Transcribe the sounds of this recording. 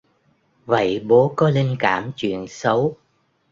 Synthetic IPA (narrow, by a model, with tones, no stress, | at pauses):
və̰˧˨jɓo˨˦kɔ˨˦le˧nkaː˧˩mt͡ɕwḭ˧˨ənsə˨˦w